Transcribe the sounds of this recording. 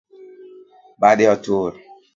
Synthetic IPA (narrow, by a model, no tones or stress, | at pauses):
badɪɔtoːɾ